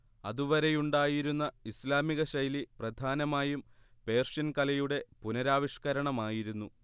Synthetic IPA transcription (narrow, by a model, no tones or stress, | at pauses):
ɐðuʋɐɾe̞juɳɖaːjiɾunːɐislaːmiɣɐɕɐjliprɐd̪ʱaːnɐmaːjumpe̞ːrʂjɐnkɐlɐjuɽe̞punɐɾaːʋiʂkɐɾɐɳɐmaːjiɾunːu